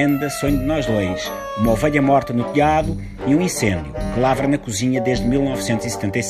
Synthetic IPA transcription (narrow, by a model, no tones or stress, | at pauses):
ẽnd̪ɐsoɲud̪ɨnɔʒlˠɐjʃ | umɐɔvɛʎɐmɔɾt̪ɐnut̪iaðu | iũĩsẽnd̪jukɨlˠavɾɐnɐkuziɲɐd̪eʒd̪milˠnɔvsẽnt̪uzisɨ̥t̪ẽnt̪ɐjs